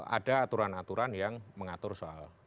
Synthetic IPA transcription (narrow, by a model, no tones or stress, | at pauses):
a̰daːt̪uɾanat̪uɾʔanjaŋməŋat̪ʊrsoa̰l